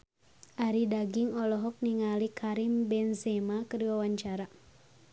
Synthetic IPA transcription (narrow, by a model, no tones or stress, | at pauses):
ʔaɾidaɡiŋɔlɔɦɔk̚niŋalikʰaɾimbɛnsɛmakəriwawaɲt͡ʃaɾa